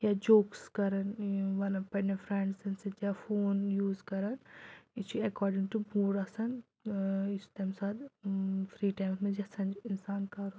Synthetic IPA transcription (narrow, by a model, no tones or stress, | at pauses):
jad͡ʒoːkskɐɾɐnʋɐnɐpɐnefɾɛɳɖsɐnsed͡ʒjafoːnjuːzkɐɾɐnit͡ʃʰuɐkɔːɾɖĩŋʈubuːɾɐsɐn | ist̪amsad̪fʰɾiːʈajmsmẽd͡ʒɐsɐnd͡ʒinsaːnkɐɾu